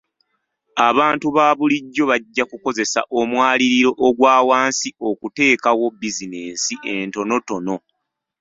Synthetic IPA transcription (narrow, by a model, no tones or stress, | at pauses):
aβaːntuβaːβuliɟːo̞βaɟːakuko̞ze̞sa̰ʔomwaːliɾiɾo̞ʔːɡwaːwaːnsio̞kute̞ːkawo̞bizine̞ːnsiʔe̞nto̞no̞to̞no̞